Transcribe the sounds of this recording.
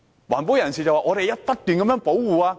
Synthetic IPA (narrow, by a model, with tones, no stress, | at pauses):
waː˨˩np̬o˨˥wjɐ˨˩nsiː˨˩t͡sɐ˨waː˨ŋɔː˨˧ɾe˨jɐ˥t̚pɐ˥t̚t̪yː˨nkɐ˨˧mjœ˧˥ŋpo˨˥wwuː˨˩aː˧